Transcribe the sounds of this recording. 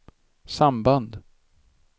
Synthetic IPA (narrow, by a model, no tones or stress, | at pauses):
samband̪